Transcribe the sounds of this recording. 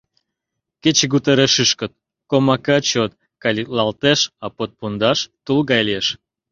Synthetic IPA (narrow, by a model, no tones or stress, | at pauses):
ket͡ɕeɡut̪eɾeʃɨʃkə̆t̪̚ | komɑkɑt͡ɕot̪ | kɑlʲilɑlt̪eʃɑpot̪̚pund̪ɑʃt̪ulɣɑjleʃ